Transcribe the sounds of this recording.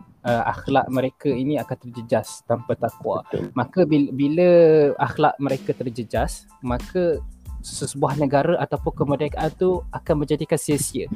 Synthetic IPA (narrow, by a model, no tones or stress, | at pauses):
əʔa̰xla̰ʔməɾekəiniakant̪ərd͡ʒəd͡ʒast̪ampat̪akwa̰makəbibiləaxlaʔməɾekət̪ərd͡ʒəd͡ʒas | mãkəsəsəbuahnəɡaɾəʔat̪apʊnkəmədakaʔant̪uakanməɲd͡ʒadikansəsiə̰